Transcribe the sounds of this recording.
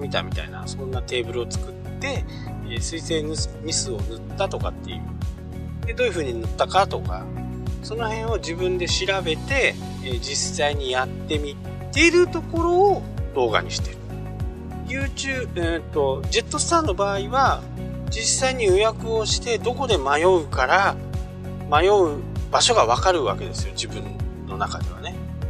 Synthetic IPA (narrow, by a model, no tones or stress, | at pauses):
mʲit̪a̰mʲit̪a̰ina̰sõ̞nːat̪e̞ːbɯ̟ɾɯo̞t͡sɨ̥kɯ̟t̪ːe̞ | sɨise̞ːnɯsɲ̟isɨo̞̰nɯt̪ːat̪o̞ka̰t̪ːe̞̰jɯ̟̰ | d̪ed̪o̞ːjɯ̟ɸɯ̟ːɲ̟inɯt̪ːakat̪o̞ka̰ | so̞no̞hẽ̞ɰ̃o̞d͡ʑibɯ̟̃nd̪e̞ɕiɾabe̞t̪e̞ː | d͡ʑisaiɲ̟ijat̪ːe̞mʲi | t̪ːe̞iɾɯ̟t̪o̞ko̞ɾo̞ː | d̪o̞ːɡa̰ɲ̟ḭɕi̥t̪e̞ɾɯ̥ | jɯːt͡ɕɨːɯ̃t̪o̞d͡ʑe̞t̪ːo̞sɨ̥t̪ãnːo̞baːiβa | d͡ʑisaiɲ̟iojakɯ̟o̞ɕi̥t̪e̞d̪o̞ko̞d̪e̞majo̞ɯ̟kaɾa | majo̞ɯ̟baɕo̞ɡaβ̞akaɾɯ̟βa̰ke̞d̪e̞sɨjo̞d͡ʑibɯ̟̃nnːo̞nakad̪e̞β̞ane̞